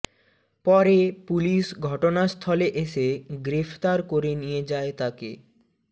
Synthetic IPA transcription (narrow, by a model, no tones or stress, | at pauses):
pɔɾepuliʃɡʱɔʈonast̪ʰɔleʔeʃeɡɾefʰt̪aɾkoɾenijed͡ʑaet̪akḛ